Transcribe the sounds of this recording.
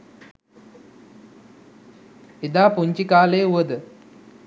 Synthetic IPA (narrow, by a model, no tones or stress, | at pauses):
ed̪aːpuɲt͡ʃikaːleːuʋəd̪ə